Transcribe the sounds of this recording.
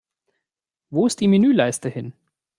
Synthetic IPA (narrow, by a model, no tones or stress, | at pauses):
voːɪst̚d̥iːmɪnyːlaɪstəhɪn